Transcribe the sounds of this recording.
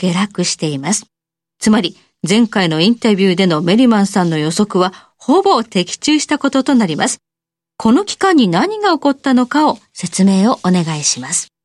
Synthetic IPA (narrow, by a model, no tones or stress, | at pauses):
ɡ̥e̞ɾakɯ̟ɕi̥t̪e̞imasɨ̥ | t͡sɨmaɾʲi | zẽ̞ŋkaino̞ĩnt̪abʲɨːd̪e̞no̞me̞ɾʲimãɰ̃sãnːo̞jo̞so̞kɯ̟βa | ho̞bo̞t̪e̞kʲi̥t͡ɕɨːɕi̥t̪ako̞t̪o̞t̪o̞naɾʲimasɨ̥ | kʰo̞no̞kʲi̥kãɲ̟ːinaɲ̟iɡao̞ko̞t̪ːano̞kao̞se̞t͡sɨme̞ːo̞ʔone̞ɡaiɕimasɨ̥